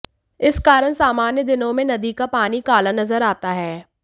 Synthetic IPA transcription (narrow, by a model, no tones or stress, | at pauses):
ɪskaːɾəɽsaːmaːnjəd̪ɪnõmẽnɐd̪ikapaːnikaːlanɐzəɾaːt̪aɦɛː